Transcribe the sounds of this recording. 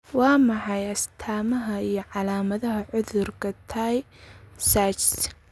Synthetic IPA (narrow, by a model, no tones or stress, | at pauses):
wɑːmɑħɑjɐst̪ʰaːmɐɦɐijɞʕɑlaːmɐðɐɦɐʕʊðʊrkʰɐt̪ʰaːj | sat͡ʃs